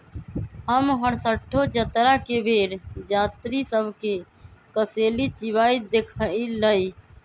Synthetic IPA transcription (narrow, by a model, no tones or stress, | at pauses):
ɦəmɦəɾsəʈʰːod͡ʒət̪ɾakebʱeːɾd͡ʒaːt̪ɾisəbʱke | kəseːlit͡ʃɪʋaːid̪eːkʰəiləiː